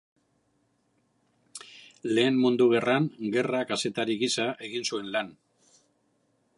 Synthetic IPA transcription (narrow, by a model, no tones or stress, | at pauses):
le̞ːmmund̪uɣ̞e̞ranɡe̞rakase̞t̪aɾiɣisaʔe̞ɣinsue̞nlan